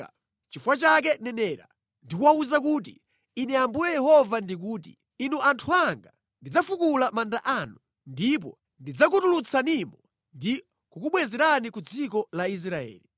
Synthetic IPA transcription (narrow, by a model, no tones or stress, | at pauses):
a | t͡ʃifwat͡ʃak̬ɛnɛnɛːɾa̰ | ndikuwauzakuːt̬ḭ | inɛambujɛjɛhɔvandik̬uːt̬ḭ | inuʔantʰuaŋɡa | ndid͡zafukulamandaʔanu | ndip̬ɔ̰ | ndid͡zak̬utulut͡sʰanimɔ | ndi | kukuɓwɛzɛɾanikud͡zikɔlais̬ɾaɛ̰ːli